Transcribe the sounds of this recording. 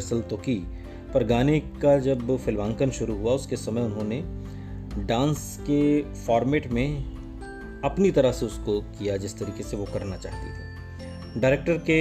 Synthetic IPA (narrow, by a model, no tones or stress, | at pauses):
ɾsəlt̪oki | pɐɾɡaːnekad͡ʒɐbfɪlʋãːŋkənʃʊɾuɦuaʊskesɐməjʊnɦõne | ɖãːns | ke | fɔːɾmeːʈmẽ | ɐpnit̪ɐɾəɦseʊskokijad͡ʒɪst̪ɐɾiːkeseʋokɐɾnat͡ʃa̰ːɦt̪ḭt̪ʰiː | ɖaːɾeːk̚ʈəɾke